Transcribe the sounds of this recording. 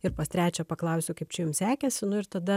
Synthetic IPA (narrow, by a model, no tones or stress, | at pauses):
ɪɾpɐst̪ʲɾʲæːt͡ʃʲɛpɐklˠɐʊsʲʊkɐɪp̚t͡ʃʲɪjʊmsʲæːkʲɛsʲɪnʊɪɾt̪ɐd̪ɐ